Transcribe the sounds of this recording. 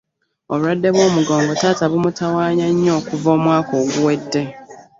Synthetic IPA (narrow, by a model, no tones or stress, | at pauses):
o̞βuɾadːe̞βwo̞ːmuɡo̞ːŋɡo̞taːtaβumutawaːɲaɲːo̞ːkuvo̞ːmwaːko̞ːɡuwe̞dːe̞